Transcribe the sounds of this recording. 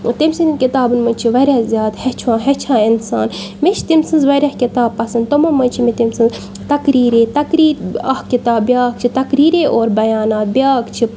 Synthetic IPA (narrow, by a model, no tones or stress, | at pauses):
t̪imsinkit̪aːbɨnmɐnʲt͡ʃʰiʋɐɾʲjaːzʲjaːt̪het͡ʃʰãːɦet͡ʃʰãːɪnsaːnmet͡ʃʰt̪imsɨnzʋɐɾʲɐhkit̪aːbpɐsɐnd̪̚t̪omɐmɐnʲt͡ʃʰimet̪imsɨnz | t̪ɐkɾiːɾeːt̪ɐkɾiːɾɐhkit̪aːbbʲjaːkt͡ʃʰit̪ɐkɾiːɾeːʔoːɾbɐjaːnaːt̪̚bʲjaːkt͡ʃʰi